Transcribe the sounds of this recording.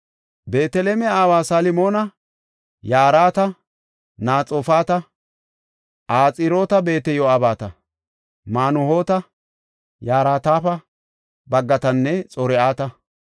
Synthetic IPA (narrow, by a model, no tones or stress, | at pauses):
be̞ːt̪ɛleːmɛaːwaːsaːlɪmo̞ːnɐ | jaːɾaːt̪ɐ | naːt͡sʼoːfaːt̪ɐ | ʔaːt͡sʼɪɾo̞ːt̪ɐbe̞ːt̪ɛjɔɐbaːt̪ɐ | maːnʊho̞ːt̪ɐ | jaːɾaːt̪aːfɐ | bɐɡːɐt̪ɐnːɛt͡sʼɔɾɛʔaːt̪ɐ